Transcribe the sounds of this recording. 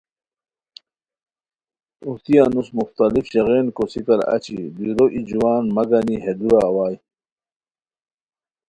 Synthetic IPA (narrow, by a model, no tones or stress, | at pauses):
uht̪ijanusmuxt̪alifɕeɣeːnkosikɐɾa̰t͡ɕḭd̪iɾoʔid͡ʑuwaːnmɐɡaniɦed̪uɾawaːj